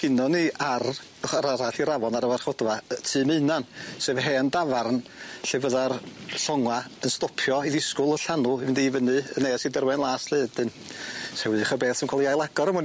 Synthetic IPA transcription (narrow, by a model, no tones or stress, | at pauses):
ɡ̥ɪnɔniʔar | əχaɾaɾaɬiɾavɔnaɾəwarχɔd̥vatʰɨːmɨɨnansevɦɛːəndavarnɬevəðarɬɔŋwaənstɔpʰjɔiðɪskʊlˠəɬanʊɪndivənɨəneːsidərwɛnlˠaːsleːdɨn | sɛwɨðχəbeːθsəmkʰɔalˠijajlˠaɡ̥ɔɾəmʊn